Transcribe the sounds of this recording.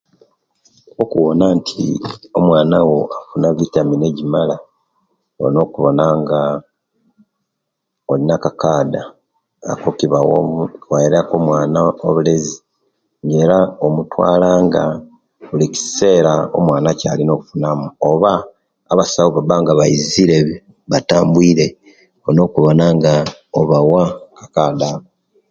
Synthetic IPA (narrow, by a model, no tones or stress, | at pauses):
okuwonaːntʰḭo̞mwaːnawo̞afunaβitamine̞ɟimala | o̰no̞ːkuβo̞naŋɡa | olinakakaːda̰ː | kokiβawwaiɾako̞mwaːnaoβulezi | ŋɡe̞ːɾaomutwa̰ːlaːŋɡa | βulici̥se̞ɾao̰mwaːnaca̰ːlino̞ːβufunamuoβaː | βasawoβabaːŋɡaβaiziɾe̞β | βataːmbwiːɾe̞ | ono̞ːkuβo̞naŋɡaoβawakakaːdaβo